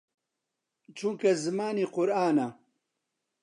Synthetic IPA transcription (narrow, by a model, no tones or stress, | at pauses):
t͡ʃʰuŋkɐzɨmaːniːqʊɾaːnɐ